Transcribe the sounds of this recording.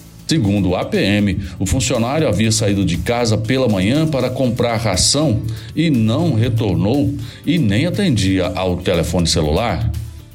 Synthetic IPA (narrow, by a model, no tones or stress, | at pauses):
sɪɡũnd̪ʊːapeẽmɪʊfũsionaɾjʊaviɐsaid̪ʊd͡ʒɪkazɐpelɐmɐ̃ɲɐ̃paɾɐkõmpɾaɾɦasɐ̃w̃ | ɪnɐ̃w̃ɦet̪oɾnow | ɪnẽj̃at̪ẽnd͡ʒiɐʔawt̪elefõnɪselṵlaɾ